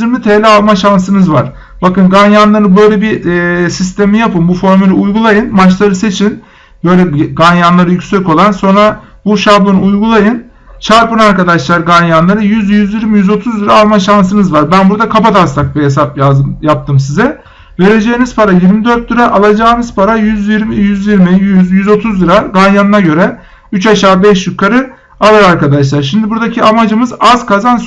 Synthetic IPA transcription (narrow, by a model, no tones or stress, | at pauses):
iɾmit̪ʰeːlʲɛalˠmaʃansɯnɯzvaɾ̥ | bakɯnɡanjanlˠaɾɯbø̞jlʲebisis̬t̪emijapɯmbufo̞ɾmylʲiujɡulˠajɯnmat͡ʃlˠaɾɯse̞t͡ʃʰin | bø̞jlʲɛbɡanjanlˠaɾɯjycʲsɛko̞lˠanso̞nɾa | buʃabonɯujɡulˠajɯn | t͡ʃʰaɾpɯnaɾkad̪aʃlˠaɾɡanjanlˠaɾɯjyzjyzjiɾmijyzo̞t̪ʰuzd̪iɾaːlˠmaʃans̬ɯnɯzvaɾbænbuɾd̪akʰapat̪ʰast̪ak̚biɦes̬ap̚bajap̚t̪ʰɯmsizɛ | ve̞ɾe̞d͡ʒeːniz̥pʰaɾajiɾmid̪ø̞ɾt̪̚d̪ɯɾaʔalˠad͡ʒaːnɯz̥pʰaɾajyzjiɾmijyzjiɾmijyzjyzo̞t̪ʰuzlˠɯɾaɡanjanɯnaɟø̞ɾɛ | yt͡ʃaʃaːbɛʃjykʰaɾɯ | alˠaɾaɾkad̪aʃlˠaɾʃ̬imd̪ibuɾd̪acʰiamad͡ʒɯmɯzaz̥kʰazan